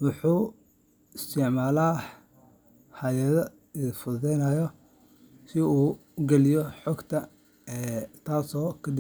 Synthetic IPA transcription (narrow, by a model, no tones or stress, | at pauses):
wʊħuː | ɪst̪ʰɪʕmaːlaː | hajɐðɐ | ɪfʊðɛjnajɔ | sɪuː | ɡɛlɪjɔħɔːɡt̪ʰɐ | ɛːt̪ʰaːsɔːkʰɐd̪ɪ